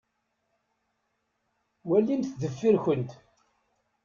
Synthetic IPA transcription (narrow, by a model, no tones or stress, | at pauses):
wælːinθðəfːiɾçənt̪